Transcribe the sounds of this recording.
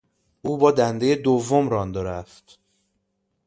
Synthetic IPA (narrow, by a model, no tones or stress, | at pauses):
ʔuːbɒːd̪ænd̪ejed̪ovːomɾɒnd̪oɾæft̪